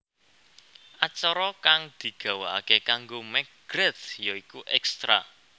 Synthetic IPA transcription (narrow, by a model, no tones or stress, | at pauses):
ʔat͡ʃɔɾɔkaŋd̪̥i̤ɡ̥ä̤waa̰kekaŋɡomɛkɡ̥ɾɛt̪jɔikuʔɛkst̪ɾa̰